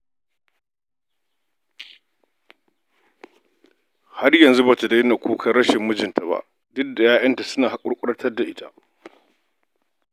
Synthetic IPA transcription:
ha˦rjɐ˨nzu˦ba˨ta˨dɐ˦na˨kʰʷuː˦kʰɐ˦rːɐ˦ʃɪ˨mːʊ˦d͡ʒɪ˨ntʰa˨ba̰˦ʔ | dʊ˦k̚da˨jaː˦ʔɐ˦nta˨sʊ˦naː˨ha˨kʷʼʊ˦ɽkʷʼʊ˦ɽɐ˦tɐ˦rda˨ʔɪ˦ta˦ʔ

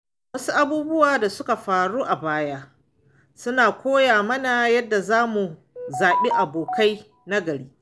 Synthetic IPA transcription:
wɐ˦su˦ʔa˦buː˦bʊ˦waː˨da˨sʊ˦ka˨ɸaː˨ɽuː˦ʔa˨baː˦jaː˦ | sʊ˦naː˨kʷoː˦jaː˨mɐ˦na˨jɐ˦dːa˨zaː˦mu˨ | zaː˨ɓi˦ʔa˨boː˨ka˦j | na˦ɡɐ˨ɽiː˦

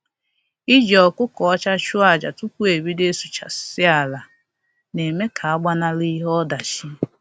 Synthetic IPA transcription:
i˦d͡ʒɔ˨kʊ˦kɔ˨ɔ˦t͡ʃa˦t͡ʃu˦a˨d͡ʒa˨tu˦kʷu˦e˨bi˦de˦su˨t͡ʃa̰˨sɪ˦a˨la˨ | ne˨me˦kʰa˨a˦ɡ͡ba˦na˦li˦ɦɔ˦da˨t͡ʃi˦

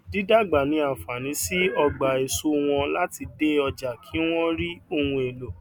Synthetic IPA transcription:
di˦da˦˨ɡ͡ba˨nĩ˨˧˦a˨fa˨nĩ˨˦si˦ɔ˧ɡ͡ba˨e˨so˦w̃ɔ̃˧la˦ti˧de˦ɔ˧d͡ʒa˨kʰi˨˦w̃ɔ̃˦ɾi˦o˧hũ˧e˨lo˨

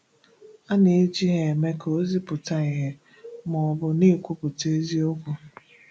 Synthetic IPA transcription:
a˦ne˨e˦d͡ʒi˦ɦe˨me˦ko˦zi˦pʊ˨ta˦i˨ɦe˦ | mɔ˨bʊ˨ne˦˨kʷu˦pʊ˨te˦zi˦o˦kʷu˦

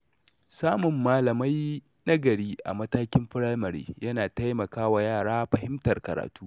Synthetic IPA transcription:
saː˦mʊ˨mːaː˦lɐ˨ma˦j | nɐ˦ɡɐ˨ɽiː˦ʔa̰˨mɐ˦taː˦kʲɪ˦mɸɪ˦ɽa˦mɐ˨ɽḛː˦jɐ˦naː˨ta˦jmɐ˨kaː˦wa˨jaː˦˨ɽaː˦ɸɐ˨hɪ˦mtɐ˨rkɐ˨ɾa̰ː˨tuː˦

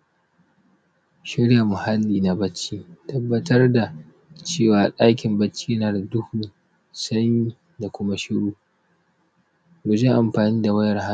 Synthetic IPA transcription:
ʃɪ˦ɽja˨mʊ˨ha˦lːiː˨na˨bɐ˦t͡ʃiː˦tɐ˦bːɐ˦tɐ˦rda˨ | t͡ʃeː˦˨waː˨ɗaː˦kʲɪ˨mbɐ˦t͡ʃːiː˦naː˨da˨dʊ˦huː˨ | sɐ˦ɲi˦ | da˨kʷʊ˦ma˦ʃɪ˦ɽuː˦ | ɡʊ˨d͡ʒe˦ʔa˨mɸaː˨niː˦da˨wɐ˦jɐ˨rha˦

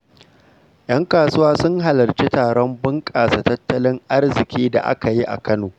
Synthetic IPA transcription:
j̰ɐ˦ŋkaː˨sʊ˦waː˦sʊ˦ŋɦa˨lɐ˨rt͡ʃi˦taː˨ɽɔ˦mbɪ˦ŋkʼaː˨sa˨tɐ˦tːɐ˦lɪ˦ŋʔa˦rzɪ˨kʲiː˦da̰˨ʔa̰˦ka˨ji˦ʔa̰˨kɐ˦noː˨

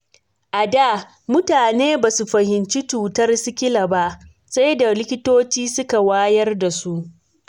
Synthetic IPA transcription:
ʔa˨da˦˨ | mʊ˦taː˨neː˦baː˨su˨ɸɐ˨hɪ˨nt͡ʃi˦tuː˨tɐ˦rsɪ˦kʲɪ˦la˨ba˦ʔ | sa˦jda˨lɪ˦kʲɪ˦toː˦t͡ʃiː˦sʊ˦ka˨waː˦jɐ˦rda˨su˦ʔ

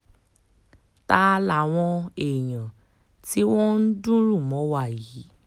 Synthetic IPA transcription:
ta˦˧la˨w̃ɔ̃˧e˨j̃ã˨ | ti˦w̃ɔ̃˦n̩˦dũ˦ɾũ˦˨mɔ̃˨˦wa˦˨ji˨˦

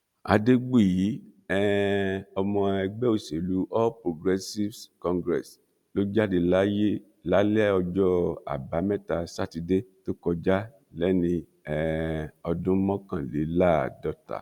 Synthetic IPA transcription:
a̰˧de˦ɡ͡bu˦˨ji˨˦ɛ˦ɔ˧mɔ̃˧ɛ˧ɡ͡bɛ˦o˨se˨lu˨˦ɔ˦pɾo˨ɡɾɛ˧si˦fkɔ̃˧ŋɡɾɛ̰˨s | lo˦d͡ʒa˦di˧la˦je˦ | la˨˦lɛ˦ɔ˧d͡ʒɔ˦a̰˨ba˨˦mɛ˦ta˧sa˦˨ti˧de˦to˦kɔ˧d͡ʒa˦ | lɛ˨˦nĩ˧ | ɛ˨ɔ˧dũ˦mɔ̃˦kã˦˨le˨˦la˦˨dɔ˦ta̰˨

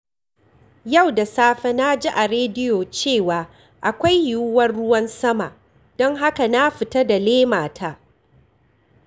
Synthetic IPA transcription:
ja˦˨wda˨saː˦ɸɛ˦na˦d͡ʒi˦ʔa˨ɾeː˦dɪ˦joː˨t͡ʃeː˦˨waː˨ | ʔa˨kʷa˦jju˦wɐ˦rɽʊ˦wɐ˦nsɐ˦ma˨ʔ | dɔ˦ŋɦa˦ka˨na˦ɸɪ˨tɐ˦da˨leː˦maː˨tʰaː˦˨

